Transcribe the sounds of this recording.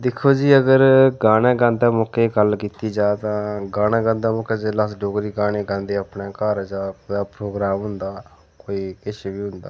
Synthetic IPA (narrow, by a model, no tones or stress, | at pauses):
d̪ɪkʰːoːd͡ʒiːəɡəɾɡaːnãːɡãːnd̪aːmoːkeːɡəlkiːt̪iːd͡ʒaːt̪ãːɡaːñãːɡãːnd̪aːmʊːkeːd͡ʒeːləsɖoːɡɾiːɡaːneːɡãːnd̪eːapnãːkəɾd͡ʒaːkoːjaːpɾoːɡɾaːmɦʊnd̪aː | koːiːɪʃbiːɦʊ̃nd̪a̰ː